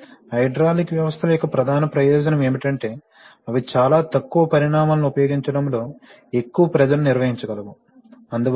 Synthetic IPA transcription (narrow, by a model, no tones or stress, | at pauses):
ɦɐjɖɾaːlikʋjɐʋɐst̪ʰɐlujɔkɐpɾɐd̪ʱaːnɐpɾɐjɔːd͡ʒɐnɐme̞ːmiʈɐɳʈe̞ː | ɐʋit͡ʃaːlaːt̪ɐkːuʋɐpɐɾiɳaːmaːlnuupɐjo̞ːɡiɲt͡ʃɐɽɐmlo̞ː | e̞kːuʋɐpɾɐd͡ʒɐluniɾʋɐɦiɲt͡ʃɐɡɐlɐʋu | ɐnd̪u